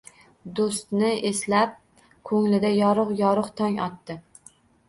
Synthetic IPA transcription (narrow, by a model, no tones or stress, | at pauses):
d̪ost̪nɪʔeslap̚ | kʰɵŋlɪd̪ajɒɾɨqjɒɾɨqt̪ʰɒŋɒt̪ːɪ